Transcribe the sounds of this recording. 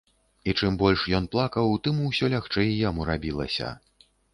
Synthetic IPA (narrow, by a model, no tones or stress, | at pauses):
it͡ʂɨmbɔlʲʂjɔn̪plˠakɐwt̪ɨmuwsʲɔlʲaxt͡ʂɛjjamuɾabʲilˠɐ̰sʲɐ̰